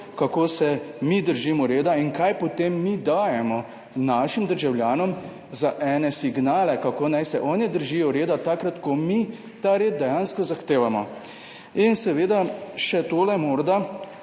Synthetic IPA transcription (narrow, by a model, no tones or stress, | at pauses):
kakoːsɛmid̪əɾʒiːmɔɾeːd̪ainkajpɔt̪emːid̪aːjɛmɔ | naʃimd̪əɾʒawljaːnɔm | zaʔɛːnɛsiɡnaːlɛkakoːnajsɛʔɔːnid̪əɾʒiːjɔɾeːd̪at̪akɾat̪kɔmi | t̪aɾeːd̪̚d̪ɛjaːnskɔzaxt̪eːʋamɔ | insɛʋeːd̪aʃɛt̪oːlɛmoːɾd̪a